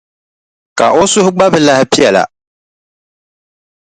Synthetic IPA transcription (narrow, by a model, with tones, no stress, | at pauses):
ka̰˨ʔo˦sʊ˦hʊ˦ɡ͡ba˦bɨ˨la˦hɪ˦pi˦ɛ˨la̰˨